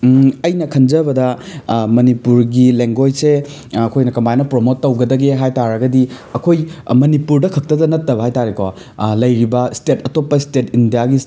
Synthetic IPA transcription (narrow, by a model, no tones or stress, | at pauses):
ɐjnɐkʰɐnd͡ʒɐbɐdɐmɐnipuɾɡileŋɡojse | ɐkʰojnɐkɐmbajnɐpɾomotːɐwɡɐdɐɡeɦajtaɾɐɡɐdiɐkʰojmɐnipuɾdɐkʰɐk̚tɐdɐnɐtːɐbɐɦajtaɾeko | lɐjɾibɐstetʰɐtopːɐistetindijaɡis